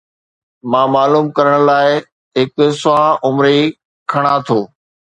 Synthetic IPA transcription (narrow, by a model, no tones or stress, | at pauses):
mãːmaːluːmkɐɾəɽ̃ʊlaːɪ | ɦɪksʊɦaʔʊmɾe | kʰɐɽ̃at̪ʰoː